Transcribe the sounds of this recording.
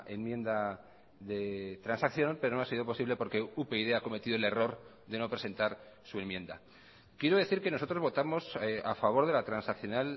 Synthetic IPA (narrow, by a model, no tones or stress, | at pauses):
enmjẽ̞nd̪a | ðe̞t̪ɾansakθjo̞npe̞ɾnoasiðo̞po̞siβle̞po̞ɾke̞upeiðeako̞me̞t̪iðoele̞ro̞ɾ | ðe̞no̞pɾe̞se̞nt̪aɾ | sue̞mje̞nd̪a̰ | kjeɾoðe̞θiɾke̞nosot̪ɾozβo̞t̪amo̞sa̰faβ̞o̞ɾð̞e̞lat̪ɾansakθjo̞nal